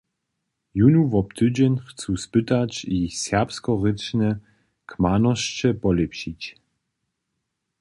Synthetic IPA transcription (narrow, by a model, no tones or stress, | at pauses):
junuvɔpt̪ɨd͡ʑɛnxt͡suspɪt̪at͡ɕisʲɛpskɔʁɪt͡ʂnɛ | kmanɔɕt͡ɕɛpɔlɛpɕit͡ɕ